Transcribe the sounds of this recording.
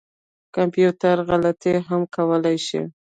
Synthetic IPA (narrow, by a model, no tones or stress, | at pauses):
kampjut̪aɾɣalat̪eɦamkʰawəlajʃḭ